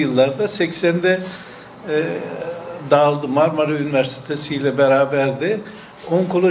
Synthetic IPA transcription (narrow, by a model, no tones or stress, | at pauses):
jɯlˠːaɾd̪asɛcsænd̪ɛ | d̪aːlˠd̪ɯmaɾmaɾɯynivæɾsi̥t̪ʰesijlʲɛbeɾaːbæɾd̪ɪ | oŋkʰolˠo